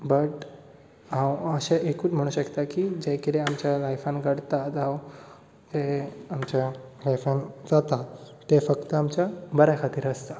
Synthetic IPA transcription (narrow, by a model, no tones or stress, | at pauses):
bəʈ | ãwəɕẽʔekuːt͡sm̤əɽ̃uːɕəkt̪akid͡ʑekəɾeamt͡ɕjalajfanɡəɽt̪at̪aw | d͡zeamt͡ɕjalajfand͡zat̪a | t̪efəkt̪əamt͡ɕjabəɾakʰat̪iːɾəst̪a